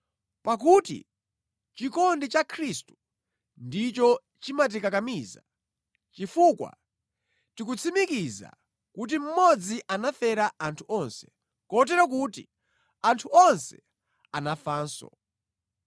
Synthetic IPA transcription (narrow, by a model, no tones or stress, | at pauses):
pak̬utḭ | t͡ʃikɔndit͡ʃakʰɾistu̥ | ndit͡ʃɔ | t͡ʃimat̬ikakamiːza̰ | t͡ʃifukwa̰ | tikut͡sʰimikiza̰ | kut̬im̩mɔd͡ziʔanafɛɾaantʰuʔɔnsɛ̥ | kɔt̬ɛɾɔk̬uːtḭ | antʰuɔnsɛ̥ | anafaːnsɔ̰